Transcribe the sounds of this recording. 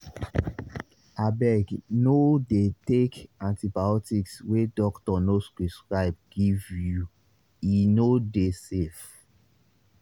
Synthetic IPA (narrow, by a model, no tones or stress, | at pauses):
abɛɡnodetekãntibaɔtikswedɔktɔnoskɹiskɹaɪb̚ɡivju | inodesef